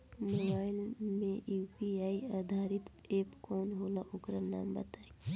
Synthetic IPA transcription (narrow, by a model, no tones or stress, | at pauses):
mobaːɪlmẽupiaːiaːd̪ʱaːɾɪt̪ | eːpkɔːnɦoːlaʔʊkɾəna̰ːmbət̪aːe